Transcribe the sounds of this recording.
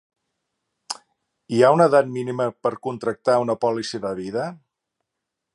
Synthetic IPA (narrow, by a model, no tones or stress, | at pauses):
iaunəðat̪̚miniməpəɾkunt̪ɾək̚t̪aunəpɔlisiðəβ̞iðə